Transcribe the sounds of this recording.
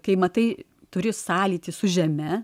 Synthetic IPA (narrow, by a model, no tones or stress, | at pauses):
kɐɪmɐt̪ɐɪ | t̪ʊɾʲɪsɑːlʲiːt̪ʲɪsʊʒʲɛmʲɛ